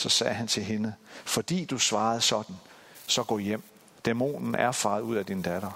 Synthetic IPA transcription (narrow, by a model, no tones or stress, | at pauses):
sɒ̽sɛːɦænt͡sʰe̝lɦe̝nəfɒ̽d̥ḭːd̥usʋɑ̈ːð̞̩ˠsɒ̽d̥n̩ | sɒ̽ɡ̥ɔ̰jem̰ | d̥emo̝̰ːnn̩æɐfɑ̈ːð̩ˠuð̞̰ˠæd̥ind̥æɾ̥ɐ